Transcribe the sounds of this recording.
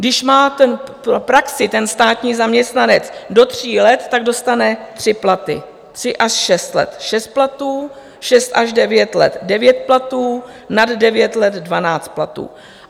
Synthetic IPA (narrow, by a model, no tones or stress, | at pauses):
ɡdɪʃmaːt̪ɛnpopɾaksɪt̪ɛnst̪aːt̪ɲiːzamɲɛst̪nanɛt͡sdo̞t̪r̥iːlɛt̪ːaɡ̚do̞st̪anɛt̪r̝̥ɪplat̪ɪ̰ | t̪r̝̥ɪʔaʃʃɛst̪lɛ̰t̪ʃɛst̪̚plat̪uː | ʃɛst̪ʔaʒdɛvjɛt̪lɛ̰t̪dɛvjɛt̪̚plat̪uː | naddɛvjɛt̪lɛd̪dvanaːt͡st̪̚plat̪ṵː